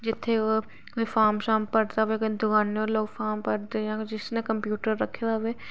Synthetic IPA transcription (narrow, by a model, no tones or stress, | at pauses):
d͡ʒɪt̪ʰːeo | efaːɾmʃaːmpəɾt̪aʋeked̪ʊkaːneɔːɾloːɡfʰaːɾmpəɾd̪ejãːd͡ʒɪsnekəmpjuːʈəɾːɐkʰed̪aʋeː